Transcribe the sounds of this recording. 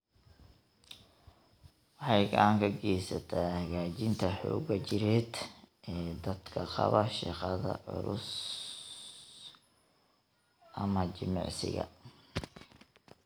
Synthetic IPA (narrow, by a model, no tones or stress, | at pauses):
wɑħɑjɡɐaŋkʰɐɡɛjsɐt̪ʰaːhɐɣaːt͡ʃɪnt̪ʰɐħɔ̰ːɣɐt͡ʃɪɾɛːd̪ʔɛːd̪ɐd̪̥kʰɐqɑ̰βɐʃɑ̰qɑðɐ̰ʊ̰ɾʊ̰s | ʔɐmɐt͡ʃɪmɑ̰ʕsɪ̰ɣɐ̰